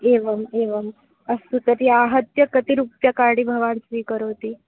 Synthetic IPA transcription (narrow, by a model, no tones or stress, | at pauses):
eʋəmeʋəm | əsut̪əɾiːaɦət̪jəkət̪iɾupjakaɽiːbʱəʋaɽt͡sʋiːkəɾot̪iː